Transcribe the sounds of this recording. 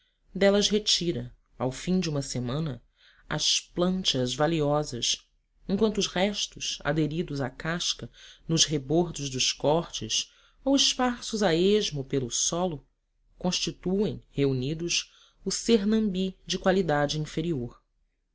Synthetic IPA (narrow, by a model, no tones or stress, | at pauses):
d̪ɛlɐzɦet͡ʃiɾɐ | awfĩd͡ʒɪũmɐsemɐ̃nɐ | ɐ̰splɐ̃nt͡ʃɐzvaliɔzɐ̰s | ẽŋkwɐ̃nt̪ʊʃhɛʃt̪ʊsa̰d̪eɾid̪ʊzakaʃkɐnʊzɦeboɾd̪ʊzd̪ʊʃkɔχt͡ʃɪs | owiʃpaɾsʊzaeʒmʊpelʊsɔlʊ | kõʃt͡ʃit̪uẽj̃heunid̪ʊs | ʊseɾnɐ̃mbid͡ʒɪkwalid̪ad͡ʒɪĩfeɾioɾ